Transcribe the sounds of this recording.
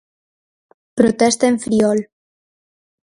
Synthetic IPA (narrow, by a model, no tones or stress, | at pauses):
pɾot̪est̪eɱfɾiɔl